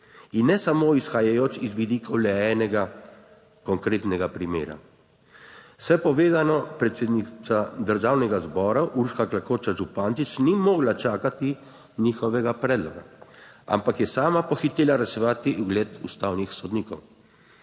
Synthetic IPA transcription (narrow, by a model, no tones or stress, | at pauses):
inːɛsamoːisxajajoːt͡ʃizʋid̪iːkʰɔwlɛɛːnɛɡa | kɔŋkɾeːt̪nɛɡapɾimḛːɾa̰ | wsɛpɔʋeːzanɔpɾɛt̪seːd̪nit̪sad̪əɾʒaːwnɛɡazbɔːɾaʔuɾʃkaklakoːt͡ʃaʒupant̪it͡ʃnimɔːɡlat͡ʃaːkat̪i | niːxɔʋɛɡapɾɛːd̪lɔɡa | a̰mpakjɛsaːmapɔxit̪eːlaɾɛʃɛʋaːt̪iʔuɡlɛːt̪ust̪aːwnixsɔd̪niːkɔw